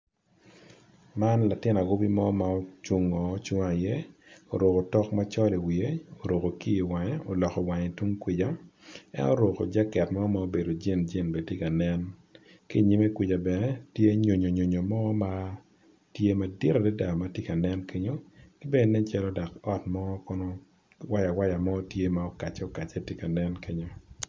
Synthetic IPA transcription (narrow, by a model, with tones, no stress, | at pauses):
ma˦nla˨tɪ˦na˨ɡo˦bi˦mɔ˦ma˨o˦t͡ʃu˦ŋɔ˨˦t͡ʃʊ˦ŋa˨je˦o̰˨ɾo˨ko˨tɔ˦kma˦t͡ʃɔ˦li˨wi˨e˦o˨ɾo˨ko˨ki˦i˨wa˨ɲɛ˦o˨lɔ˨kɔ˨wa˨ɲe˨tu˦ŋkwɪ˨d͡ʒa˦ɛ̰˦no̰˦ɾo˨ko̰˨d͡ʒɛ˦kɛ˨tmɔ˦ma˦o˦be˨do˨d͡ʒe˦˨nd͡ʒe˦˨nbe˨tje˦ka˨nɛ˦n | ki˦˨ɲi˦me˦kwɪ˨d͡ʒa˨bɛ˨nɛ˦tje˦ɲo˨ɲo˨ɲo˨ɲo˨mɔ˦ma˦ | tje˦ma˦di˦ɾa˨de˦da˨ma˦tje˦ka˨nɛ˦nke˦ɲo˦kɪ˦be˦˨nɛ˦t͡ʃɛ˦lɔ˦da˨kɔ˦tmɔ˦kɔ˦nɔ˦ | wa˦ja˨wa˦ja˨mɔ˦tje˦ma˦ɔ˦ka˨t͡ʃɔ˦ka˨t͡ʃɛ˦tje˦ka˨nɛ˦nkʰe˦ɲo˦